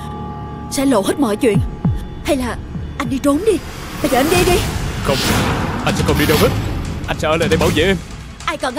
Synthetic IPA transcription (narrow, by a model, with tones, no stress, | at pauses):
sɛ̰˧˥lo̰˧˩hə˦˥t̚mɔ̰˧˩jt͡ɕwḭ˧˨ən | ha˧jlaː˨˩ | ʔa˧jŋ̟ɗi˧t͡ɕo˨˦nɗi˧ | ɓaː˧jzəː˨ʔa˧ŋɗi˧ɗi˨˧xə˧wŋ͡mʔa˧j̟sɛ̰˧˥kɔ˨˩ɗi˧ɗo˧whə˦˥t̚ʔa˧jŋ̟ɛ˧˥əː˧˦lə̰ː˨ɗə˧jɓaː˧˩wzḛ˧˨ʔe˧m | ʔaː˧jkɔ˨˩nʔ